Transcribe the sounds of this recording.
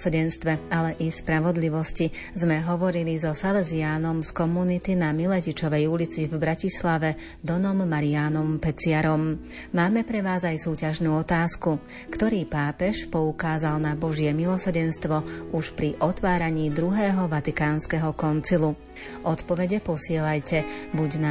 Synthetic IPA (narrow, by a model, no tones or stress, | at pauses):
ɾɟɛnst̪ʋɛalɛʔispɾaʋɔd̪liʋɔsci | zmɛɦɔʋɔɾilizɔsalɛziaːnɔmskɔmunit̪inamilɛcit͡ʃɔʋɛjulit͡sivbɾacislaʋɛ | d̪ɔnɔmːaɾiaːnɔmpɛt͡sɪaɾɔm | maːmɛpɾɛʋaːzajsuːcaʒnuːɔt̪aːsku | kt̪ɔɾiːpaːpɛʃpɔukaːzalnabɔʒɪɛmilɔsɾ̩ɟɛnst̪ʋɔuʃpɾiʔɔt̪ʋaːɾaɲiːd̪ɾuɦɛːɦɔʋat̪ikaːnskɛɦɔkɔnt͡silu | ʔɔt̪pɔʋɛɟɛpɔsɪɛlajcɛbuɟna